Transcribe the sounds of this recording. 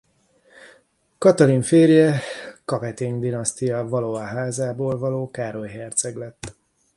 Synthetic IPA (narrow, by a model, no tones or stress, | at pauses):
kɒt̪ɒliɱfeːrjɛkɒvɛt̪eːnd̪inɒst̪ijɒvɒloɒɦaːzaːboːlvɒloːkaːɾo̞jɦɛrt̪sɛɡlɛt̪ː